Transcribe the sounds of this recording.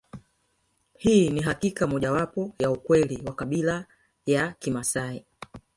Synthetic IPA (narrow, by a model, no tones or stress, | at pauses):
hiːniɦakikamɔʄawapɔjaukwɛliwakaɓila | jakimasai